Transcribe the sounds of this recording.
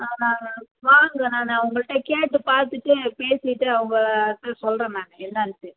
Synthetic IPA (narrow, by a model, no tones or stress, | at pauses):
aːnãːʋaːŋɡɐnãːnãːʊŋɡɐɭɪʈːɐkeːʈːɯpaːɾt̪ɯʈːɯpeːsɪʈːɯɐʋɐŋɡɐɭt̪ːɐsɔlrɾẽːnaːnɐɛnːɐntːɯ